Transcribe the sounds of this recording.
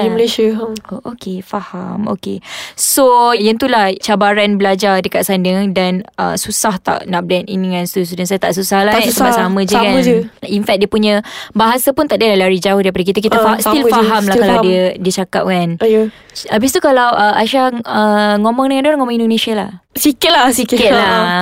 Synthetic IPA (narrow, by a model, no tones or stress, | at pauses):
iməleʃəookefahamo̰kesojant̪ulaht͡ʃabaɾanbəlad͡ʒardəkat̪̚sandəŋdanə̰susaht̪a̰ʔnaʔblɛnḭnəŋãnst̪us̬udansajat̪aʔs̬usahlaasəbassamə̃d͡ʒəakad͡ʒəinfɛk̚diəpuɲə̃baɦasapunt̪aʔdialahlaɾid͡ʒaʊhdaɾipadək̬it̪ək̬it̪əsilfaɦamlahkalawdiədiət͡ʃaka̰p̚kanj | abɪs̬t̪ukalawʔəaʃahəŋomɔŋdəŋandoɾaŋomɔŋĩndonẽsialahsikɪt̪̚lasikkəla